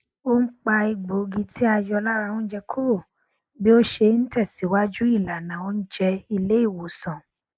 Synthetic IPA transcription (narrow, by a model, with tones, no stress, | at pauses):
o˦m̩˦k͡pa˧i˧ɡ͡bo˨˦ɡi˧ti˦a˧jɔ˧la˦ɾã˧ũ˦d͡ʒɛ˧kʰo˦bo˨ | bi˦o˦ʃe˧˦n̩˦tɛ˦˨si˨˦wa˦d͡ʒu˦i˦˨la˨nã˨o˦n̩˦d͡ʒɛ˧i˧le˦i˦˨wo˨sã˨